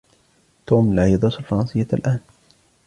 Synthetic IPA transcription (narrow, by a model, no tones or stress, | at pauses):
t̪uːmlaʕjɑd̪ˤɑsalfɑɾˤɑnsɪjːaa̰lʔaːn